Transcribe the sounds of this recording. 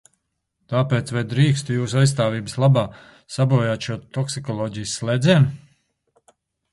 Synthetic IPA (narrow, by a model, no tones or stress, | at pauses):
t̪aːpeːt̪svajd̪ɾiːkst̪ujuːsajs̬t̪aːviːbəslˠabaː | sabuɔjaːt̪ʃuɔt̪ɔksikɔlˠɔːɟijsːlˠeːd̪zʲiɛn